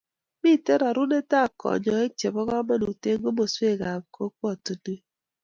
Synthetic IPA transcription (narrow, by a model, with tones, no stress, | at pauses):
mi˦˨te˦ɾa˨ɾu˦ne˦ta˦˨kɔ̰˨ɲɔ˨e˦t͡ʃe˨bɔ˦ɣɔ˦ma˦nu˨te˦ŋ˦ɡo˦mo˨se˦˨ɡa˨bko˦kʷɔ˦˨tu˨du˦